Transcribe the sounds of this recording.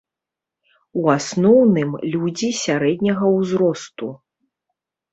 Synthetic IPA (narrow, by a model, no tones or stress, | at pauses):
uasnɔwnɨmlʲud͡zʲisʲaɾɛd̪̚ʲnʲɐɣɐwzɾɔst̪u